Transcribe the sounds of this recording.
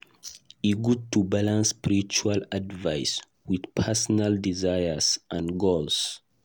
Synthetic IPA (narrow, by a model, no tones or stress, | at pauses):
iɡud̚tubalãnsːpiɹit͡ʃualadvajs | widpʰɛsɔnaldizajəsʔãnɡols